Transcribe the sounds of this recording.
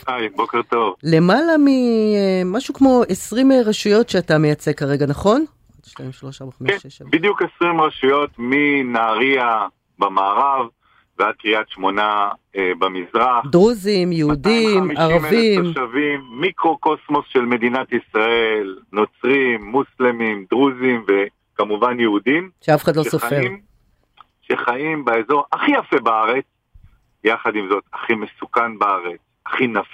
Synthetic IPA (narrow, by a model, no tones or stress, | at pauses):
ajbo̞keʁt̪o̞vle̞malami | maʃukmo̞esʁimeʁaʃujo̞tʃeatame̞jat͡se̞kaʁe̞ɡanaχo̞n | at̪ʃtaimʃloʃabaχamkʃeʃbid̪jukesʁimʁaʃujo̞t̪minaːʁia | bamaːʁav | vead̪̚kʁiatʃmo̞naebamizʁaχdʁuzimjeudimaʁavimʃavimːikʁo̞ko̞smo̞sʃe̞lme̞d̪inat̪isʁaelno̞t͡sʁimːuslemimd̪ʁuzimve | kamuvanjeud̪imʃeafeχad̪losofem | ʃeχaimbaezo̞ʁaχijafebaaʁet͡s | jaχad̪imzo̞t̪aχime̞sukanbaaʁet͡s | aχinaf